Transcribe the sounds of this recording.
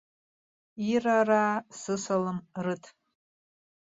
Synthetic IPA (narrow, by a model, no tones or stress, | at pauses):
iraraːsɨsalɨmrɨtʰ